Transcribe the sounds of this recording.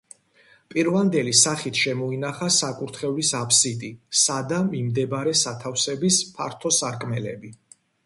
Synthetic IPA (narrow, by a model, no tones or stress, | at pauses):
pʼiɾvand̪ɛlisaχit̪ʰʃɛmɔinaχasakʼuɾt̪ʰχɛvlisapʰsit̪ʼisad̪amimd̪ɛbɾɛsat̪ʰafsɛbispʰa̰ɾt̪ʰɔsaɾkʼmɛlɛ̰bi